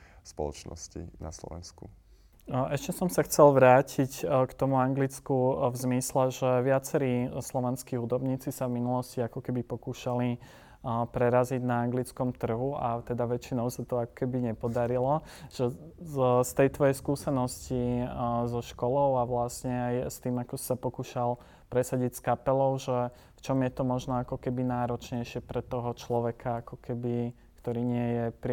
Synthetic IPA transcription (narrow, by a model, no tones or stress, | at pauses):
spɔ̰lɔ̰t͡ʃnɔ̰scḭna̰slɔ̰ʋɛ̰nsku | ʔɛʃcɛsɔmsaxt͡sɛlʋɾaːcʰickt̪ɔmuaŋɡlit͡skuvzmislɛʒɛʋɪat͡sɛɾiːslɔʋɛnskiɦud̪ɔbɲiːt͡sisavminulɔsciakɔkɛbipɔkuːʃali | pɾɛɾaziɟnaːŋɡlit͡skɔmt̪r̩ɦuat̪ɛd̪aʋɛt͡ʃinɔʊsat̪ɔakɔ̥kɛbiɲɛpɔd̪aɾilɔ | ʒ̥ɛ | st̪ɛjt̪ʋɔjɛjskuːsɛnɔscizɔʃkɔlɔʊaʋlasɲɛajst̪iːmakɔsi̥sapɔkuːʃal | pɾɛsaɟicskapɛlɔʊʒɛ | ft͡ʃɔmjɛt̪ɔmɔʒnɔakɔkɛbinaːɾɔt͡ʃɲɛjʃɪɛpɾɛt̪ɔɦɔt͡ʃlɔʋɛkʰaakɔkɛbi | kt̪ɔɾiːɲɪɛjɛpɾ